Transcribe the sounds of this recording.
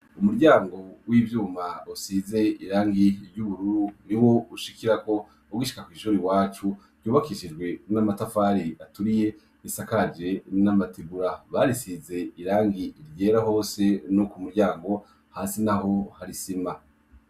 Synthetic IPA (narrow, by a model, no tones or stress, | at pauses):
umuɾɟaːŋɡo̞wiːvjuːmausize̞iɾaːŋɡiɾɟuβuɾuɾuniwo̞uʃikiɾako̞ | uɡiʃi̥kakwiːʃuɾiwaːt͡ʃuɾɟuːβakiʃid͡ʒɡwe̞namatafaɾiʔatuɾije̞ | isakad͡ʒe̞namatibuɾaβaɾisize̞iɾaːŋɡiɾɟe̞ːɾaɦo̞ːse̞nokumuɾɟaːŋɡo̞ | haːsinaɦo̞haɾisima